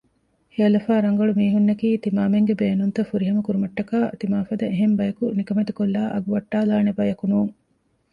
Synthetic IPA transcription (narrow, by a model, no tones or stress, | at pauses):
hiɐlɐfaːɾɐŋɡɐɭumiːɦunːɐkiːt̪imaːmeŋɡebeːnunt̪ɐfuɾiɦɐmɐkuɾumɐʈːɐkaːʔɐt̪imaːfɐd̪ɐeɦembɐjɐkunikɐmet̪ukolːaːʔɐɡuʋɐʈːaːlaːnebɐjɐkunuːŋ